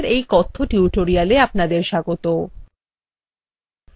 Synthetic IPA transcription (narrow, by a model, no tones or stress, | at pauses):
ɾejkɔt̪ʰːoʈiuʈoɾialeap̚nad̪eɾʃaɡot̪o